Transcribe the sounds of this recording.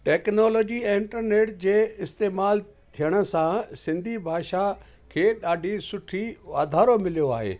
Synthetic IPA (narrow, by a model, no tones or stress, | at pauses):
ʈɛːknɔːlɔːd͡ʑiɪ̃ɪɳʈəɾneːʈd͡ʑeːɪst̪eːmaːl | t̪ʰijəɽ̃ə̆sãsɪ̃nd̪ʱibʱaːʃa | kʰeːɗaːɖʱisʊʈʰiʋaːd̪ʱaːɾomɪlijoa̰ːɦḛː